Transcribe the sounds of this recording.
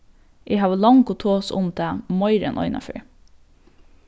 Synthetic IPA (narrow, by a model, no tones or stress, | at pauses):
ʔeɪhɑːʋəlɑŋkot̪ʰoːsʊ̰md̪æmɔʏɾə̰nʔɔ̰ʏnʔɑ̰fø̰ːɹ